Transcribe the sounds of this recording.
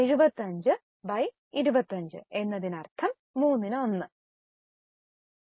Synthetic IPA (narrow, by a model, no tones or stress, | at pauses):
eɻubɐt̪ːɐɲd͡ʑɨ | bɐj | iɾubɐt̪ːɐɲd͡ʑɨ̰e̞nːɐðinɐrt̪ʰɐmːuːnːinɨo̞nːɨ